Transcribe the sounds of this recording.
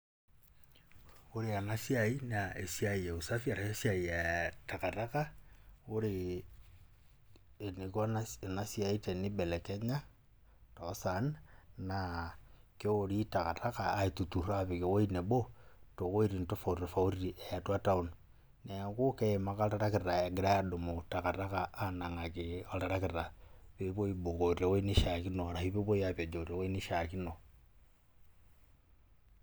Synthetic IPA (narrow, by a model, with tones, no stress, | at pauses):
oɾe˨a˨na˦sja˨i˦naʔe˨sa˨ie˨u˨sa˦fia˨ɾae˦sia˨ia˨ta˨ka˨ta˦ka˦o˦ɾe˨ | ne˨kwa˦n˨na˦sia˨i˦te˨ni˦bɛ˨lɛ˨kɛ˦ɲa˦ | tosa˨nna | ke˦oɾita˨ɣa˨ta˦kaː˨e˨tu˨tu˨ɾa˦βi˨ɣe˨we˦ine˨βo˦to˨ɣo˦i˦ɾi˨nto˦fa˨ɾi˨fa˨u˦ɾi˨ʔe˨ja˨twa˦ta˦u˦˨n | ne˨ko˦ke˦e˨ma˦ka˦ɾa˦ɾa˦ke˨ɾɾa˨e˨ɡe˦ɾa˦ja˦ɗo˨mo˨ta˨ɣa˨ɾa˦ɣaː˨˦na˨ŋa˨keo˨ɾa˨ɾa˦ke˨ɾa˨βe˦βo˦i˦bo˨ɣo˨ɾa˨we˦ni˦ʃa˨ki˦no˨ɾa˨hi˦βe˦βo˦ja˦βa˨d͡ʒo˨ɾa˨we˦ni˦ʃa˨ki˦no˨